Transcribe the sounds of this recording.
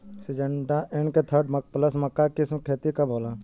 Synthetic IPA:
sɪd͡ʒəɳɖaʔenket̪ʰəɾɖməpləsməkːakɪskʰeːt̪ikaboːla

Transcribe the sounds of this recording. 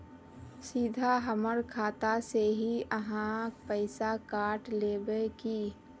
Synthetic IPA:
siːd̪ʱaɦəməɾkʰaːt̪aseɦiəɦãpəɪsakaːʈleːbeki

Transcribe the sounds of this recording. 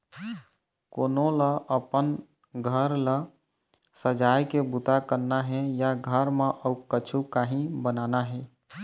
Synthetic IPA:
konoləəpən | ɡʱəɾlə | səd͡ʒajkebut̪akəɾnaɦɛjaɡʱəɾmeʔəukət͡ʃʰukaɦĩbənanaɦɛ

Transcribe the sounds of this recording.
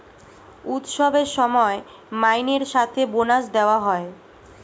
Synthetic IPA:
ut̪ʃɔbeɾʃɔmɔe | majneɾʃat̪ʰebonaʃd̪eoaɦɔe

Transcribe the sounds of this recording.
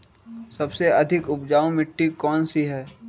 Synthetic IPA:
sɐbseɐd̪ʱɪkʊpd͡ʒaːõmɪʈːikɔːnsiɦɛː

